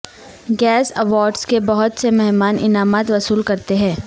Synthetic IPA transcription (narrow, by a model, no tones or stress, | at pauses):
ɡɛːsɐʋaːɾɖskebɐɦʊt̪semɛɦmaːnʔɪ̰naːmaːt̪ʋɐsuːlkɐɾt̪eɦɛ̃ː